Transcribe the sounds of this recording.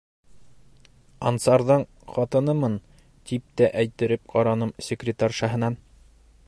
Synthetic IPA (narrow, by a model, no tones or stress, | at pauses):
ɑnt̪sɑɾðɤɴ | χɒt̪ɤ̆nɤmɤn | t̪ip̚t̪æʔæjt̪ɘ̆ɾɘp̚qʰɒɾɑnɤmsʲɪkrʲɪt̪arʲʃɑɦɤ̆nɑn